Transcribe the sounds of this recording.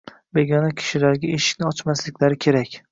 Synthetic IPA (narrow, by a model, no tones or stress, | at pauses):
be̞ɡʲɒnakʲʰɪ̥ʃɪlaɾɡʲaeʃɪ̥ʃʲnɪɒt͡ʃmaslɪkʲlaɾɪkʲʰe̞ɾakʲ